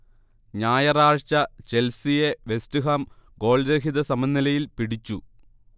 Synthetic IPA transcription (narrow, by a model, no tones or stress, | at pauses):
ɲaːjɐraːɻt͡ɕɐt͡ɕe̞lsijeʋe̞stuɦɐmɡo̞ːɭɾeɦiðɐsɐmɐnːilɐjilpiɽit͡ɕːu